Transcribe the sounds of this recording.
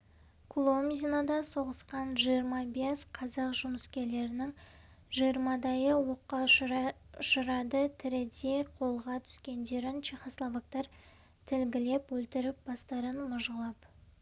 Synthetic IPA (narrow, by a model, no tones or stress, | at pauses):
kʰulˠo̞mzʲinad̪ɑso̞ʁəsqɑnʒijəɾmɑbesqʰɑzɑqʒʊməskʲe̞ɾle̞ɾɪnɪŋ | ʒijəɾmɑd̪ɑjəwo̞qːɑ | ʊʃəɾɑd̪ət̪ʰɪɾɪd̪e̞qʰo̞lˠʁɑt̪ʰʏ̥skʲe̞nd̪e̞ɾɪnʃijχoslˠovak̚t̪ɑɾ | t̪ʰɪlɡʲɪle̞pwɵlt̪ɪɾɪp̚b̥ɑst̪ɑɾənmʊʒəlˠɑp